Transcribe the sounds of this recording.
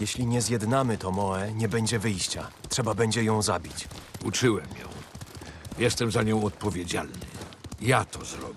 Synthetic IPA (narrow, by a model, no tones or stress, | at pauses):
jɛɕlʲiɲɛzʲjɛd̪namɘt̪ɔmɔɛɲɛbɛɲd͡ʑɛvɘjɕt͡ɕatʂɛbabɛɲd͡ʑɛjɔ̃w̃zabʲit͡ɕut͡ʂɘwɛmjɔ̰̃w̃ | jɛst̪ɛmzaɲɔ̃w̃ɔt̪̚pɔvʲjed͡ʑa̰lnɘ̰jat̪ɔzɾɔbʲɛ